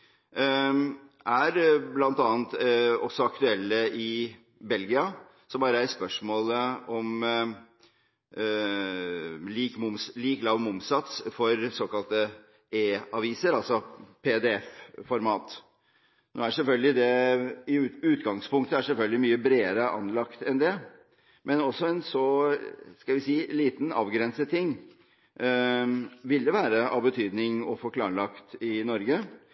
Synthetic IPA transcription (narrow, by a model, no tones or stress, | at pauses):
ʔæɾblɑnt̪ɑːənt̪ɔsːɔɑkt̪ʉɛlːəɪ | bɛlɡɪɑ | sɔmbɑːɾəæɾspœʂmoːləɔm | liːkmʊmsliːklɑːʋmʊmsɑt̪sfɔɾsoːkɑlt̪ə | eːɑʋiːsəɾɑlsɔpʰed̪ɛɛffɔɾmɑːt̪ | no̰ːæʂɛlfœlɡəlɪd̪ɛɪʉʉːt̪ɡɑŋspʰʊŋkt̪əæʂɛlfœlɡəlɪmyːəbɾeːəɾəʔɑ̰nlɑkt̪ɛnd̪ɛ | mʔɛnɔsːɔɛnsɔ | skɑlʋɪsiːliːt̪n̩ɑ̰ːʋɡɾɛnsət̪ʰɪŋː | ʋɪld̪əʋæːɾəʔɑbət̪ʰyːd̪nɪŋɔfɔkʰlɑːɾɭɑkt̪ɪnɔɾɡə